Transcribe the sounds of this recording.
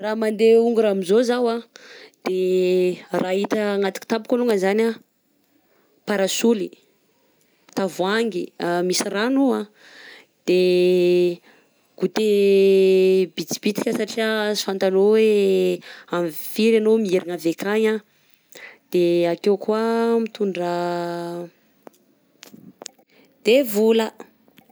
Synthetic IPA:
ramand̪euŋɡuɾamizozawad̪̥e | rʔaɦit̪əŋat̪u̥ki̥t̪abu̥koluŋəzana | paɾasuli | t̪avuaŋɡiamisiranua | d̪̥e | ɡ̥ut̪e | bit͡si̥b̥it̪i̥kʲəsaʈ͡ʂiasi̥fant̪alowe | amfiɾanomieɾiŋavekʰaɲã | d̪̥eakewkuamit̪uɳɖ͡ʐə | d̪̥evulə

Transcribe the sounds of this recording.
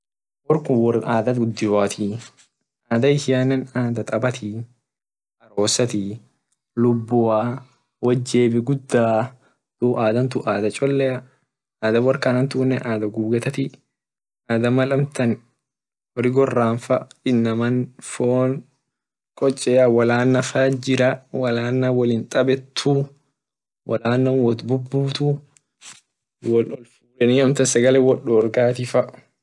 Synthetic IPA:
wɔɾkʊwɔrʔaːd̪ɐɡʊd̪ːɪwaːt̪i | ʔaːd̪ɐɪsɪjaːnːɐnaːd̪ɐt̪ʼɐbɐt̪i | ʔɐɾoːsɐt̪i | lʊbːʊaː | wɐd͡ʒːe̞ːbɪɡʊd̪ːaː | t̪ʊʔaːd̪ɐnt̪ʊʔaːd̪ɐt͡ʃʼɔlːɛjɐ | aːd̪ɐwɐrkɐnɐnt̪uːnːɛʔaːd̪ɐɡuːbɡɐt̪ɐt̪ɪ | aːd̪ɐmɐlɐmt̪ɐn | hɔɾɪɡɔrːaːnfɐɪnːɐmɐnfoːn | kʼɔt͡ʃʼːɛːɐwɐlaːnːɐfɐd͡ʒɪɾɐwɐlaːnːɐwɐlɪnt̪ʼɐbɛt̪ʰːu | wʔɐ̰laːnːɐnwɔt̪bʊbːuːt̪u | wɔlɔlfuːɾɛnihɐmt̪ɐsɐɡɐlɛwɔᶑːɔːɾɡaːt̪ɪfɐ

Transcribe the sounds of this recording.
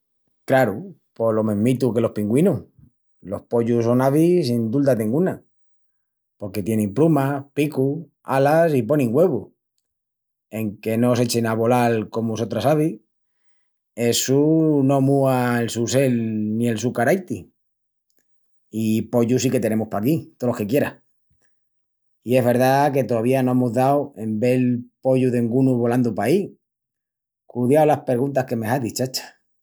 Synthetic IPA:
klaɾu | po̞lo̞mẽɦmit̪uke̞lo̞hpiŋɡwinu | lo̞hpo̞ʎuso̞naβisind̪uld̪at̪eŋɡuna | po̞ɾke̞t̪je̞nempɾumapiku | alasipo̞nĩŋɡwe̞βu | e̞ŋke̞no̞se̞t͡ʃenaβo̞lalko̞muso̞t̪ɾasaβi | e̞suno̞muaelsuse̞lnie̞lsukaɾajt̪i | ipo̞ʝusike̞t̪ene̞muspakit̪oloke̞kje̞ɾa | ie̞zβe̞ɾðake̞t̪o̞ðaβ̞iano̞emuzðawe̞mbe̞lpo̞ʝuðe̞ŋɡunuβo̞land̪upai | kuðjawlaspe̞ɾɣ̞unt̪ahke̞meɦaðit͡ʃat͡ʃḁ

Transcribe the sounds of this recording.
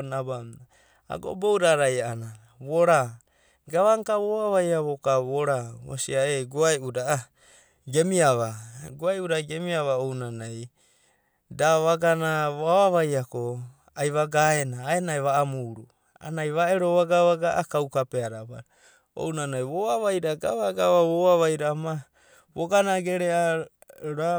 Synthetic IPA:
nabamna | a̰ɡo̞̰bowɾaɾajaana | βoɾa | ɡaβaŋkaβoβaβajaβokaβoɾawa̰siaeɡoajudaa | ɡe̞miaβaɡoajudaɡe̞miaβaownanaj | daβaɡanaβaβaβajako | ajβaɡaenaːenaeβaːmuɾu | a̰najβaeɾo̞βaɡaβaɡaʔakawkapeaɾaβaɾ | o̰wnanajβoaβajɾaɡaβaɡaβaβoaβajɾama | βoɡanaɡeɾea | ɾa

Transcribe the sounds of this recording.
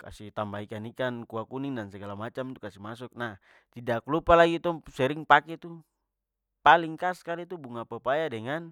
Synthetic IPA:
ka̰sit̪ambaikanikankuakuniŋdansɛɡalamat͡ʃamt̪ukasimasuk̚nah | t̪idaklupalaɡit̪ɔsɛɾiŋpakɛt̪u | paliŋkaskalit̪ubuŋapapajadɛŋan

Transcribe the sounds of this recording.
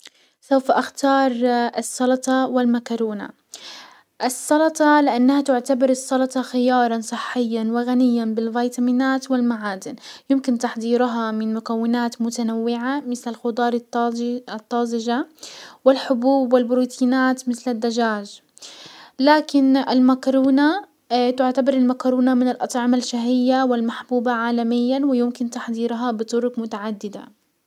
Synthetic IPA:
sawfaʔaxt̪ɑːɾˤɪsˤːɑlɑt̪ˤɑwɪlmakɑɾuːna̰ | ʔɪsˤːɑlɑt̪ˤɑlɪʔanːahat̪ʊʕt̪abɑɾˤɨsˤːɑlɑt̪ˤɑxɪjɑːɾˤɑnsˤɨħːɪjːanwɪɣanɪjːanbɪlvajt̪amiːnaːt̪wɪlmaʕaːd̪ɪnjɪmkɪnt̪aħd̪ˤiːɾʊɦɑmɪnmʊkawːɪnaːt̪mʊt̪anawːɪʕamɪθlɪlxʊd̪ˤɑːɾˤ | t̪ˤːɑːzɪʒawɪlħʊbuːbwɪlbɾuːt̪ʰiːnaːt̪mɪθlɪd̪ːaʒaːʒ | laːkɪnɪlmakɾuːna | t̪ʊʕt̪abɑɾˤɪlmakɾuːnamɪnɪlʔɑt̪ˤʕɪmalʃaɦɪjːawɪlmaħbuːbaʕaːlamɪjːanwɪjʊmkɪnt̪aħd̪ˤiːɾɦɑbɪt̪ˤʊɾʊkmʊt̪aʕad̪ːɪd̪a̰

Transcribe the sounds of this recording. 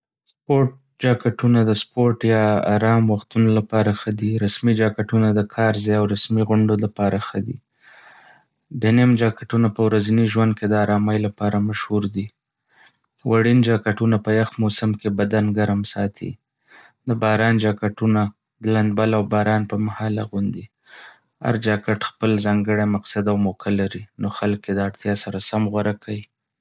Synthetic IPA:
spoʈ̚ | d͡ʒɑkaʈunad̪əspoɾʈjɑːɾɑmwaxt̪unolapɑɾaxəd̪iɾasmid͡ʒɑkaʈunad̪əkʰɑɾzɑjawɾasmiɣʊɳɖolapɑɾaxəd̪ḭ | ɖenemd͡ʒɑkaʈunapəwɾaziniʒwand̪̚ked̪əaɾɑmajlapɑɾamaʃhuɾd̪i | wʔaɽind͡ʒɑkaʈunapəjaxmosamkebad̪anɡaɾmsɑt̪ʰḭ | d̪əbɑɾɑnd͡ʒɑkaʈuna | d̪əland̪balawbɑɾɑnpəmahɑlaɣund̪i | a̰ɾd͡ʒɑkaʈxpəlzɑŋɡəɽamaqsad̪awmokʰalaɾinoxalkjed̪əaɽt̪jɑsaɾasamɣwaɾakʰaji

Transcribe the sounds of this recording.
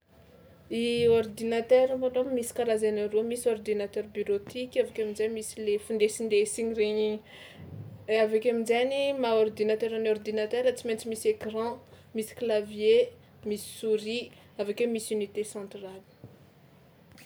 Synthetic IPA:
iord̪inat̪ɛɾamanommisi̥kalazenaɾomisord̪inat̪ɛrbiɾot̪ikʲavakʲaminzemisilefund̪esind̪esiɲiɾeɲi | avakaminzanimaord̪inat̪ɛɾanɔrd̪inat̪ɛɾat͡siment͡simisekrɑ̃ | misi̥klavje | misi̥suɾi | avakemisynit̪esɑ̃nt̪ral

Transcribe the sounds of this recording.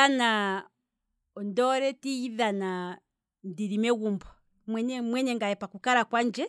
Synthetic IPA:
ana | ɔndɔɾɛtijiðana | ndiɾimɛɣumbɔ | mwɛɲɛmwɛɲɛŋɡajɛpakukaɾakwand͡ʒɛ

